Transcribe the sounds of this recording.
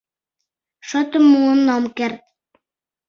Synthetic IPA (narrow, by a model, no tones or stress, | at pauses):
ʃot̪əmːuənːomkert̪̚